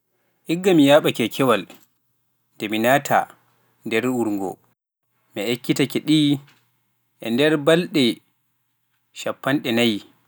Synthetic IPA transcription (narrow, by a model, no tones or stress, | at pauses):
ʔiɡːamijaɓakɛkʰɛwal | dɛminaːtʰa̰ | ndɛɾuɾŋɡɔ̰ | miʔekːitakɛɗi | ʔɛ̰ndɛɾbalɗɛ | ʃapːanɗɛnaji